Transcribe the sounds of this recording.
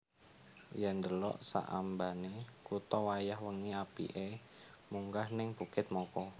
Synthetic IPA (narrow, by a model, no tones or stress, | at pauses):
jɛnd̪əlɔ̰ʔsa̰ʔa̰mbanekut̪ɔwajahwəŋiapḭʔe | muŋkahnɪŋb̥ukɪt̪̚mɔkɔ